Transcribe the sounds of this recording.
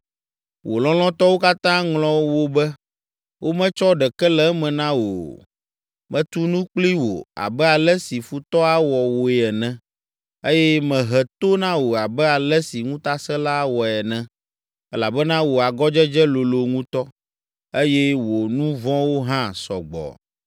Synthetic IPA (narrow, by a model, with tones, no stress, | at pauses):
wʔo˨lɔ̃˦lɔ̃˦t̪ɔ˦wo˦ka˦t̪ã˦ŋlɔ̃˦wo˦bɛ˦ | wo˦mɛ̃˦t͡ʃɔ˦ɖɛ˨kɛ˦lɛ˦mɛ̃˨nã˦wo̰˨ | mɛ̃˨t̪u˦nũ˦k͡pli˦wo̰˨a̰˨bɛ˦a˨lɛ˦si˨fu˨t̪ɔ˦a˦wɔ˨wo˨ɛ˨ɛ˨nɛ̃˨ | e˦jɛ˦mɛ̃˨ɦɛ˨t̪o˦nã˦wo˨a˨bɛ˦a˨lɛ˦si˨ŋũ˦t̪a˦sɛ̃˦la˦wɔ˨ɛ˨nɛ̃˨ | ɛ˦la˨bɛ˦nã˦wo˨a˨ɡɔ˦d͡ʒɛ˦d͡ʒɛ˦lo˨lo˨ŋũ˦t̪ɔ˦ | e˦jɛ˦wo˨nũ˦vɔ̃˦wo˦ɦã˦sɔ̰˨ɡ͡bɔ̰˨